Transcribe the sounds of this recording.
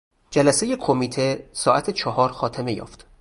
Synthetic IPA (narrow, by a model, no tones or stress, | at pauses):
d͡ʒælæseje̞kʰomiːt̪ʰe̞sɒːʔæt̪ʰet͡ʃʰɒhɒːɾxɒːt̪ʰeme̞jɒ̰ːft̪